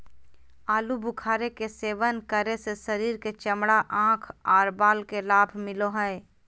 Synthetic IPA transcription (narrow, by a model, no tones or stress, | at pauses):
aːlubʱʊkʰaːɾekeseːʋənkəɾesesəɾiːɾket͡ʃəmɽaʔãːkʰaːɾbaːlkelaːbʱmɪloɦɛe